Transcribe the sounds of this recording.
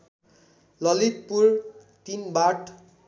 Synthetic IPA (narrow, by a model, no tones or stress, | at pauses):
lʌlit̪̚puɾ | t̪inbaʈ